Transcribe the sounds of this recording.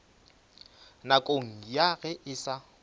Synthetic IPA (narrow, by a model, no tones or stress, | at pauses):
nakʼoŋ̩jaɣɛʔɪsa